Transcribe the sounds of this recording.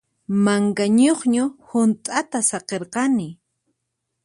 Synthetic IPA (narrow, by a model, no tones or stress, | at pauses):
maŋkaɲoχɲʊhʊnt̪ʼat̪asɑqeɾqɑnɪ